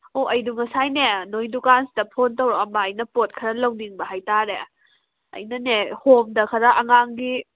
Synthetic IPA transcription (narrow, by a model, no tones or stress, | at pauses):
oɐjduŋɐsajnenojdukansidɐpʰontowɾoɐmbaːjnɐpot̚kʰɐɾɐlɐwniŋbɐɦajtaɾe | ɐ̰jnɐnehomdɐkʰɐɾɐʔɐŋaŋɡi